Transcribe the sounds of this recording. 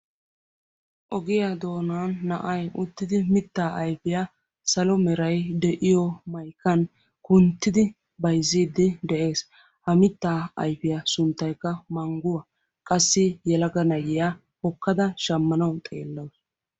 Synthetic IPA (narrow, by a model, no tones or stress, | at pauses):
ʔɔɡɪjad̪o̞ːnaːnːɐʔɐjʊt̪ːɪd̪ɪmɪt̪ːaːʔɐjfɪja | sɐlɔmɛɾɐjd̪ɛʔɪjɔmɐjkːɐn | kʊnt̪ːɪd̪ɪ | bɐjziːd̪ːɪd̪ɛʔe̞ːs | hɐmɪt̪ːaːɐ̰jfɪjasʊnt̪ːɐjkːɐmɐŋɡʊwɐ | kʼɐsːɪjɛlɐɡɐnɐjɪja | hɔkːɐd̪ɐʃɐmːɐnɐwt̪ʼeːlːɐws